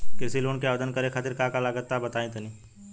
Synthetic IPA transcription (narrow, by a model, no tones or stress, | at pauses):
kɪɾsiloːnkeaːʋd̪ənkɐɾexʰaːt̪ɪɾkakalaɡət̪ːabɐt̪aːẽt̪ɐniː